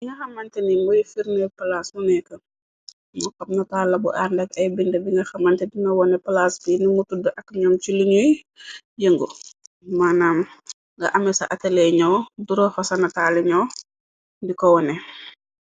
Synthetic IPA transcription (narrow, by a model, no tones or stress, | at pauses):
biŋɡɐxɐmːɐntɛnimɔjifiɾnɛpɐlasmɔnɛkɐ | mɔkɐpnɐtaːlɐbṵʔaɾndɐkɐjbindɐbiŋɡɐxɐmːɐntɛdiŋɐwɔnɛpɐlasbinimutudɐʔɐkːɲamt͡ʃiliɲuji | jəŋɡu | maːnaːm | ŋɡɐʔɐmɛsɐ̰ʔɐtɛlɛɲɔwduɾɔfɐsɐnɐtaːlɛɲɔw | dikɔwɔnɛ